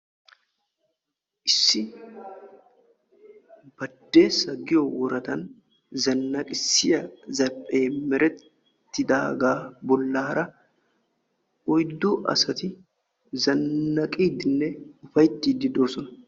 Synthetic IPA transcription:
ʔɪsːɪ | b̥ɐd̪ːe̞ːsɐɡɪjɔwɔɾɐt̪ɐn | zɐnːɐkʼɪsːɪjɐzɐɾpʼe̞ːmɛɾɛ | t̪ːɪd̪aːɡaːbɔlːaːɾɐ | ɔjd̪ːuːʔɐ̰sɐt̪ɪ | zɐnːɐkʼiːd̪ɪnːɛʊfɐjt̪ːiːd̪ːɪd̪o̞ːsɔnɐ

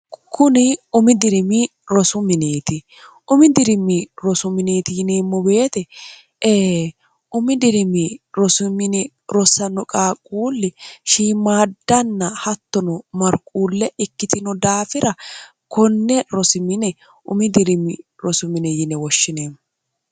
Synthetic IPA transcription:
kʰʊnɪʊmɪd̪ɪɾɪmɪ | ɾɔsʊmɪneːt̪ɪ | ʔʊmɪd̪ɪɾɪmːɪɾɔsʊmɪneːt̪ɪjɪneːmːɔbe̞ːt̪ɛ | eː | ʔʊmɪd̪ɪɾɪmɪɾɔsʊmɪnɛ | ɾɔsɐnɔkʼaːkʼːuːlːɪʃiːmaːd̪ːɐnːɐhɐt̪ːɔnɔmɐɾkʼːuːlːɛɪkːɪt̪ɪnɔd̪aːfɪɾɐ | kʰɔnːɛɾɔsɪmɪnɛ | ʔʊ̰mɪd̪ɪɾɪmːɪ | ɾɔsʊmɪnɛjɪnɛwɔʃːɪne̞ːmːɔ

